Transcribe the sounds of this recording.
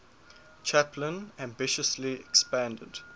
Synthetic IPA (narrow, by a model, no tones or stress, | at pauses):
t͡ʃʰæpʰlə̃næ̃mbɪʃəsliɛkspæ̃ndə̰d̥